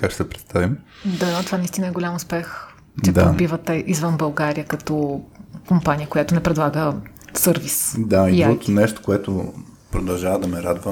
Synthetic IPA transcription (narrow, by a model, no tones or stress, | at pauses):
kakʃsɛpɾɛt̪st̪avim | d̪at̪ovanɐist̪inəɛɡolʲamʊspɛx | t͡ʃɛd̪aobivət̪ɛʔizvənbɐlˠɡaɾiəkɐt̪ɔkompanʲijəkojat̪ʊnɛpɾɛd̪lˠaɡə | sɤɾvisd̪aiuɡot̪nɛʃt̪o̥koɛt̪opɾod̪ɐlˠʒavəd̪ɐmɛɾad̪və